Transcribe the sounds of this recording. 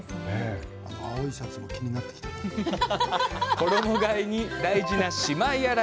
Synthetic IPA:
ne | a̰noaoisat͡sɨmo̞kʲiɲ̟inat̪ːekʲi̥t̪ḁ | ko̞d̪o̞mo̞ɡaiɲ̟id̪aiʑinaɕimaiaɾa

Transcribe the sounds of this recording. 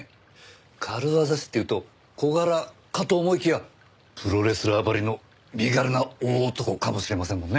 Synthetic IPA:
kʰaɾɯ̟βazaɕi̥t̪ːe̞iɯ̟ːt̪o̞ | ko̞ɡaɾa | kat̪oːmo̞ikʲija | pɯɾo̞ɾe̞sɨɾɯabaɾʲino̞ | ɾʲiɡaɾɯnaoːt̪o̞ko̞kamo̞ɕiɾe̞masẽ̞mːõ̞nːe

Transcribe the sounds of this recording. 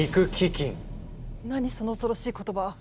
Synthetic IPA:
ikɯ̟kʲikʲĩŋ | naɲ̟iso̞no̞ːsoɾo̞ɕiːko̞t̪o̞ba

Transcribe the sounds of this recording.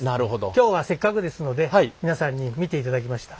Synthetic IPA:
naɾɯ̟ɦod̪o̰kʲo̞ːβase̞kːakɯ̟d̪e̞sɨno̞d̪e̞aiminasãɲ̟ːimʲit̪e̞it̪ad̪ak̬ʲimaɕi̥t̪ḁ

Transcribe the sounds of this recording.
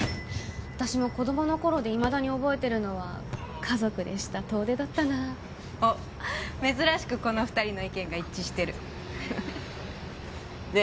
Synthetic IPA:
βat̪aɕimo̞ko̞d̪o̞mo̞no̞ko̞ɾo̞d̪e̞imad̪aɲ̟io̞bo̞e̞t̪e̞ɾɯ̟no̞β̞a | kʰazo̞kɯ̟d̪e̞ɕi̥t̪at̪o̞ːd̪e̞d̪at̪ːana | oː | me̞zɨɾaɕi̥kɯ̟ko̞no̞ɸɯ̟̥t̪aɾʲino̞ikẽ̞ŋɡait͡ɕːiɕi̥t̪e̞ɾɯ̟ | ne

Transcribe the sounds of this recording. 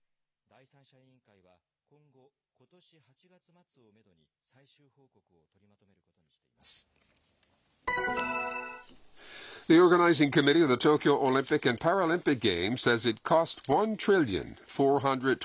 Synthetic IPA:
d̪aisãɕaĩŋkaiβa | kõŋɡo | kot̪oɕihat͡ɕiɡat͡sɨmat͡sɨome̞d̪oɲi | saiɕɨːhoːkokɯot̪o̞ɾʲimat̪o̞me̞ɾɯ̟kot̪oɲiɕi̥t̪e̞imasɨ̥ | ðiɔɹɡənaɪzɪ̃ŋkʰɨmɪɾiʌvðɨtʰoʊkjoʊʔolɪ̃mpɨkɨ̃npʰaɹolɪ̃mpɨk̚ɡ̥ẽɪ̃msɛzɨt̚kʰɔstwʌ̃ntʰɹ̥ɪlˠjɨ̰̃nfɔɹɦʌ̃ndɹɨd̚ʰ

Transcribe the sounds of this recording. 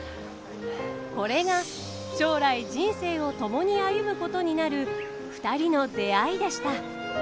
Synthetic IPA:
ko̞ɾe̞ɡa | ɕo̞ːɾaid͡ʑĩɰ̃se̞ːo̞t̪o̞mo̞ɲ̟iajɯ̟mɯ̟ko̞t̪o̞ɲ̟inaɾɯ̟ | ɸɯ̟̥t̪aɾʲino̞d̪e̞aid̪e̞ɕi̥t̪a

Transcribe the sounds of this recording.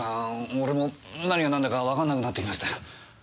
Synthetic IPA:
aoɾe̞mo̞naɲianãnd̪akaβakãnːakɯ̟nat̪ːekʲimaɕi̥t̪aj

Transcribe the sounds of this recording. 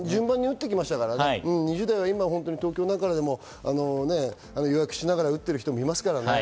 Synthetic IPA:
d͡ʑɨ̃mbãɲ̟ːiɯ̟t̪ːe̞kʲimaɕi̥t̪akaɾaneiɯ̟̃ːɲ̟iʑɨːd̪aiβaimaɦõ̞nt̪oɲ̟it̪oːkʲoːnãŋkaɾad̪e̞mo̞ | a̰no̞ne̞ | anojojakɯ̟̥ɕinaɡaɾaɯ̟t̪ːe̞ɾɯ̟çi̥t̪omoimasɨ̥kaɾane

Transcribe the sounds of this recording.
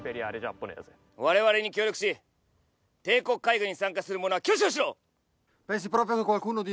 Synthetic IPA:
peɾʲiaɾed͡ʒapːonḛze | βaɾe̞βaɾe̞ɲ̟ikʲoːɾʲjokɯ̟̥ɕi | t̪e̞ːko̞kːaiɡɯɲ̟isãŋkasɨɾɯ̟mo̞no̞akʲjoːɕ̬ioɕ̬iɾoː | pẽns̬ipɾopɾjokekwalkuːnod̪i

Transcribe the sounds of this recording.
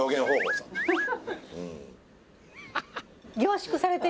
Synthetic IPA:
oːɡẽ̞ŋ̃hoːho̰ːsã | ɯ̰̃ | ɡʲo̞ːɕi̥kɯ̟saɾet̪e

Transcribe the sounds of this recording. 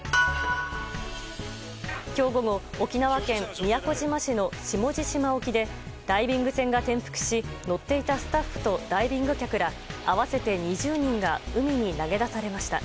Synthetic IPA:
kʲo̞ːɡo̞ɡo̞ːkʲinaβakẽ̞mːʲijako̞ʑimaɕino̞ɕimo̞ʑiɕimao̞kʲid̪e̞ | d̪̥aibʲĩŋɡɯ̟sẽ̞ŋɡat̪ẽ̞ɰ̃ɸɯ̟̥kɯ̟̥ɕino̞t̪ːe̞it̪asɨ̥t̪aɸːɯ̥t̪o̞d̪̥aibʲĩŋɡɯ̟kʲakɯ̟ɾa | aβase̞t̪e̞ɲ̟iʑɨːɲ̟ĩŋɡaɯ̟mʲiɲ̟inaɡe̞d̪asaɾe̞maɕi̥t̪a̰

